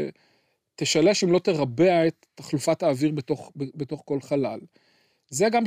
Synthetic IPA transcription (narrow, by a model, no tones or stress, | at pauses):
t̪eʃaleʃeimlo̞t̪eʁabeaet̪ː | aχlufataːviʁbetoχbet̪o̞χko̞lχalal | zeɡam